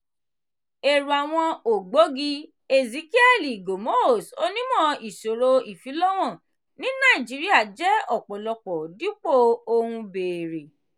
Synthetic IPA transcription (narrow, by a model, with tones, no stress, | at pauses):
e˨ɾu˨a˨w̃ɔ̃˧o˨ɡ͡bo˨˦ɡi˦ | e˨zi˨˦ki˦ɛ˦˨li˨ɡo˨mo˦o˦˨so˦nĩ˦mɔ̃˦˨i˨so˨ɾo˧i˨fi˨˦lɔ˦w̃ɔ̃˦˨ | nĩ˦nã˦˨ĩ˨d͡ʒi˨˦ɾi˦a˦˨d͡ʒɛ˦ɔ˨k͡pɔ˨lɔ˧k͡pɔ˨di˦k͡po˦˨o˧hũ˧be˨ɾe˨